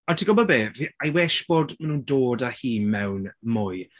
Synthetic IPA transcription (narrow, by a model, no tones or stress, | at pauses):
ɔntʰiɡɔbɔbeːviajwɛʃb̥odmanuːndoːdahiːmɛwnmʊj